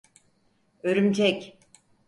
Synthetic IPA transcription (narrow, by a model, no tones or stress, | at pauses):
øɾymt͡ʃʰɛcʲ